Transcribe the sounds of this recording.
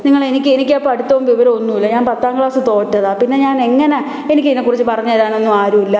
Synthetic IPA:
niŋːɐɭe̞nikʲːɨe̞nikʲːɐpːoɐɽut̪ːɐʋumʋiʋɐɾɐonːuilːɐɲaːnpɐt̪ːaːŋɡɭaːsɨt̪o̞ːʈːɐðapinːe̞ɲaːne̞ŋːɐne̞ | enik̬ʲːɨinːekːurit͡ɕːɨpɐrɐɲːaːðaːɳo̞nːuaːɾumilːɐ

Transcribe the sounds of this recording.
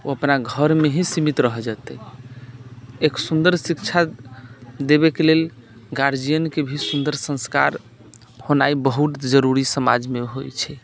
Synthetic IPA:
oəpnaɡʱəɾmeɦĩsimit̪ɾəɦəd͡ʒat̪ɛ | eksund̪əɾsikt͡ʃʰa | d̪ebekelel | ɡaɾd͡ʒijənkebʱisund̪əɾsə̃ska̰ɾ | honaibəɦut̪d͡ʒəɾuɾisəma̰d͡ʒmeɦojt͡ʃʰɛ

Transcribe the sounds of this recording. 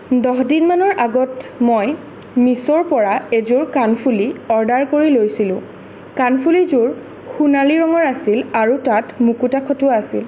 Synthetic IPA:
dɔɦdinmanɔɹʔaɡɔtmoj | misɔɹpɔɹaezʊɹkanpʰuliɔɹdaɹkoɹilojsilʊ̃ | kanpʰulizʊɹ | xunaliɹɔŋɔɹasilaɹutatmukutakʰɔtʊaasḭl

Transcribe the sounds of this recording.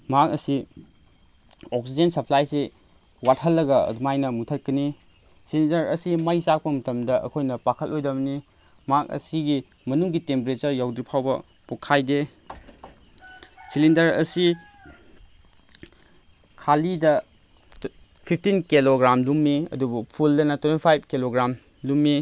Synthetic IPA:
makɐ̰si | ɔksid͡ʒensɐpʰlajse | wat̚hɦɐlːɐɡɐ̰dumajnɐmutʰɐt̚kɐni | silindɐɾɐ̰simɐjsak̚pɐmɐtɐmdɐʔɐ̰kʰojnɐpakʰɐtojdɐbɐni | makɐ̰siɡi | mɐnuŋɡitempeɾet͡ʃɐɾjawdɾipʰawbɐ | pukʰːajde | silindɐɾɐ̰si | kʰalidɐ | pʰipʰtinkiloɡɾamlumːiɐ̰dubupʰuldɐnɐtwentipʰajb̚kiloɡɾam | lumːi

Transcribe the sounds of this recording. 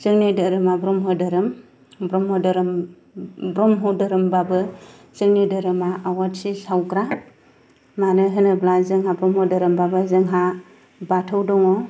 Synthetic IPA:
zɯŋnidɯɾɯmabɾɔmɦɔdɯɾɯm | bɾɔmɦɔdɯɾ | bɾɔmɦɔdɯɾɯmbabɯ | zɯŋnidɯɾɯmaʔawatsisawkɾa | manɯɦɯnɯblazɯŋɦabɾɔmhɔdɯɾɯmbabɯzɯŋɦa | batʰɯwdɔŋɔ

